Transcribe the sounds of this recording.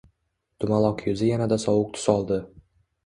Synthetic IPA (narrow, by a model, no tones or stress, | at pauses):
d̪̥ʊmalˠɒqjʊzɪjanad̪asɒwʊk̚t̪ʰʊ̥sɒlˠd̪ɪ